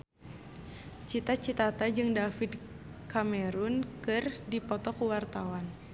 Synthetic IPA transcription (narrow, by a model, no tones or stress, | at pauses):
t͡ʃit̪at͡ʃit̪at̪ad͡ʒɨŋdafid | kamɛɾunkɨrdipɔt̪ɔkuwart̪awan